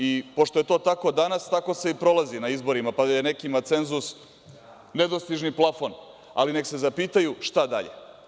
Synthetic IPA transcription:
ipo̞ʃt̪o̞je̞t̪o̞ːt̪ako̞d̪anast̪ako̞se̞ipɾo̞lˠazinaizbo̞ɾimapad̪aje̞nekimat̪se̞nzus | ne̞d̪o̞st̪iʒniplˠafo̞n | a̰line̞kse̞zapiːt̪ajuʃt̪ad̪a̰ʎḛ

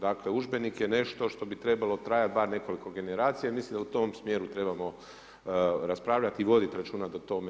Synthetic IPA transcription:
d̪akle̞uʒbe̞nikjene̞ʃt̪o̞ʃt̪o̞bit̪ɾe̞balo̞t̪ɾaːjat̪baɾne̞ko̞liko̞ɡe̞neɾaːt̪sijaimislimd̪aut̪o̞msmje̞ːɾut̪ɾe̞bamo̞ | ɾaspɾaːʋʎat̪iʋo̞d̪it̪ɾat͡ʃuːnad̪at̪o̞me

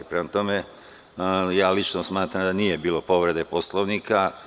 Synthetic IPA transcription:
pɾemat̪o̞me | jaːlit͡ʃnosmaːt̪ɾamd̪anije̞biːlˠo̞po̞ʋɾe̞d̪e̞po̞slˠoʋnikʰa

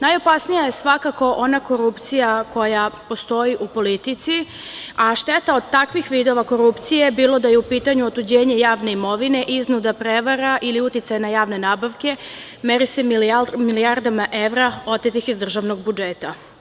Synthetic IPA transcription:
najo̞pasnijajesʋakako̞ʔo̞nako̞ɾupt̪sijako̞japo̞st̪o̞iʔupo̞lit̪it̪si | aʃt̪et̪aod̪̚t̪akʋixʋiːd̪o̞ʋako̞ɾupt̪sije̞biːlˠo̞d̪ajeupiːt̪aɲuot̪ud͡ʑeːɲe̞jaːʋne̞imo̞ʋine̞ʔiznud̪apɾeʋaɾaʔiliut̪it̪sajnajaːʋne̞naːbaʋke̞ | meɾise̞miliaɾd̪amaʔeʋɾao̞t̪et̪ixizd̪r̩ʒaʋno̞ɡ̚bud͡ʒeːt̪a

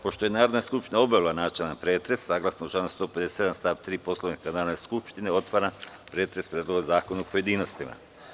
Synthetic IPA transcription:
po̞ʃt̪ojenaːɾo̞d̪naskupʃt̪inao̞baʋilˠanaːt͡ʃelanpɾeːt̪ɾe̞sːaːɡlˠasnout͡ʃanust̪o̞ːped̪esesed̪anst̪aːʋt̪ɾiːpo̞slˠoʋnikanaːɾod̪neskupʃt̪ineo̞t̪ʋaɾanpɾeːt̪ɾe̞spɾʲjed̪lo̞ɡazaːkonaupo̞je̞d̪iːno̞st̪ima̰

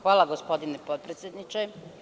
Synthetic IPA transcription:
xʋaːlˠaɡospo̞d̪inepod̪̚pɾet̪sjed̪nit͡ʃe

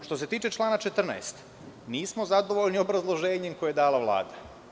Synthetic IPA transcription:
ʃt̪o̞se̞t̪iːt͡ʃe̞t͡ʃlˠaːnat͡ʃet̪r̩na̰est̪ | niːsmo̞zad̪o̞ʋo̞ʎnio̞bɾazlˠo̞ʒeːɲemkojeed̪aːlaʋlˠa̰ːd̪a

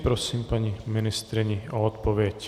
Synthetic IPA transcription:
pɾɔsiːmpaɲiminist̪ɾiɲiɔɔt̪pɔʋjɛc

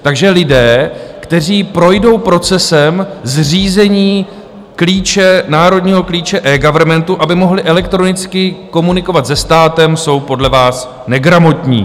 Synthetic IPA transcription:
t̪aɡʒɛlɪdɛːkt̪ɛr̝iːpɾo̞jdo̞wpɾo̞t͡sɛsɛmzriːzɛɲiː | kliːt͡ʃɛnaːɾo̞dɲiːɦo̞kliːt͡ʃɛʔɛːɡavɛɾmɛnt̪uʔabɪmo̞ɦlɪʔɛlɛk̚t̪ɾo̞nɪt͡skɪko̞munɪko̞vat̪zɛst̪aːt̪ɛmso̞wpo̞dlɛvaːs | nɛɡɾamo̞t̪ɲḭː

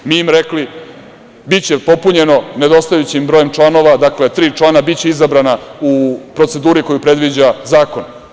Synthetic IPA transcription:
miimɾekli | bit͡ɕe̞po̞puɲe̞no̞ne̞d̪o̞st̪ajut͡ɕimbɾoje̞mt͡ʃlˠano̞ʋad̪akle̞t̪ɾiːt͡ʃlˠanabitt͡ɕe̞izabɾanaupɾo̞t̪se̞d̪uːɾiko̞jupɾe̞d̪ʋid͡ʑazaːko̞n

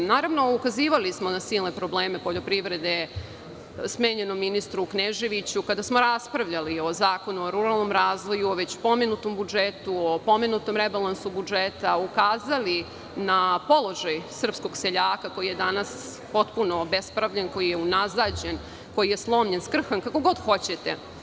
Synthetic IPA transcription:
naːɾaʋno̞ukaziːʋalismo̞nasiːlˠne̞pɾo̞bleːme̞poʎo̞pɾiʋɾe̞d̪e̞ | smeːɲe̞nomːinist̪ɾuːkneʒe̞ʋit͡ɕukad̪asmoɾaspɾaʋʎalio̞zaːko̞nuoɾuɾalˠno̞mɾaːzʋo̞juoʋet͡ɕpo̞menut̪o̞mbud͡ʒet̪uopo̞menut̪o̞mɾebalˠansubud͡ʒet̪aukaːzali | napo̞lˠo̞ʒajsr̩psko̞ɡseʎaːkako̞jije̞d̪anas | po̞t̪puno̞bespɾaʋʎanko̞jijeunazad͡ʑen | ko̞jije̞slˠo̞mʎenskr̩xankako̞ɡo̞d̪xo̞t͡ɕe̞t̪ḛ

